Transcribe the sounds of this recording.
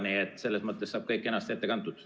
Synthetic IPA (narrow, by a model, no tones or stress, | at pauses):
niet̪ːse̞lːesmɤt̪ˑːesːɑːb̥̚kɤjkːˑe̞nːɑst̪e̞t̪ːe̞kɑnt̪ud̪̥